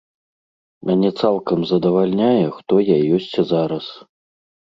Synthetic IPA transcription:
anʲɛt̪salˠkɐmzɐd̪ɐvalʲnʲajɛxt̪ɔjajɔsʲt͡sʲzaɾɐs

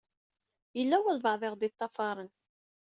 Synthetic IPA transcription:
jəlːæwəlvɑʕðˤɪʁd̪it̪ˤːɑfɑɾˤən

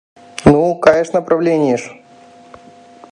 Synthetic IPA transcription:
nukɐjeʂnəpɾɐvlʲenʲɪjɪʂ

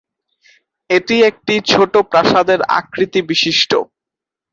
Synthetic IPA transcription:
eʈiek̚ʈit͡ɕʰoʈopɾaʃad̪eɾa̰kɾit̪ibiʃiʃʈo̰

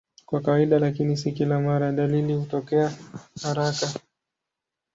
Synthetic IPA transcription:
kwakawaiɗalakinis̬ikilamaɾaɗalilihutɔkɛahaɾaka

